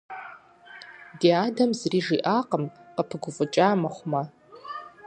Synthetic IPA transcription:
diadamzriʐiʔaqʼəmqʼapʰɨɡʷʊfʼʊt͡ʃʼamaχʷma

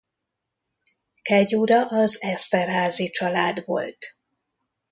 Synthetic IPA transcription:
kɛɟuːɾɒʔɒzɛst̪ɛrɦaːzit͡ʃɒlaːd̪ʋo̞̰lt̪

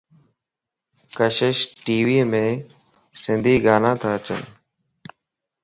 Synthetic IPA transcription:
kəʃɪʃʈiːʋiːmẽː | sɪnd̪ʱiːɡaːnãːt̪ʰaːət͡ʃə̰n

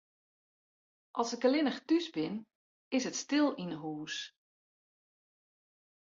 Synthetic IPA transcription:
ʔɔlˠsəkəlɪnəxtysbɪn | ɪsətstɪlˠinəɦuːs

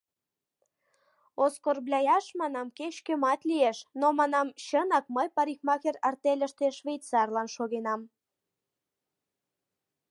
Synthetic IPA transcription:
oskorblʲɑjɑʃmɑnɑmkeɕkømɑt̪lʲieʃnomɑnɑmɕənɑk̚məjpɑɾixmɑxerɑrt̪elʲə̆ʃt̪eʃβejt̪t͡sɑrlɑnʃoɣenɑm

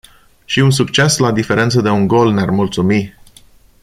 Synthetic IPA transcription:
ʃiuns̬uk̚t͡ʃe̞slad̪ife̞ɾe̞nt̪səd̪e̞uŋɡo̞lnearmult̪sumi

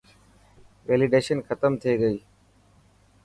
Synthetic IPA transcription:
ʋeːlɪɖeːʃənkʰət̪əmt̪ʰieɡəiː

